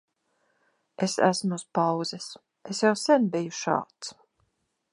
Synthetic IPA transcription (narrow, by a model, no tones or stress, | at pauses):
esæ̰smuuspawzɛs | esjawsɛnbijuʃa̰ːt̪s